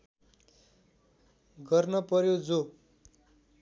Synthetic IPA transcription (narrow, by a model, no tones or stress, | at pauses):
ɡʌrnʌpʌɾjod͡zo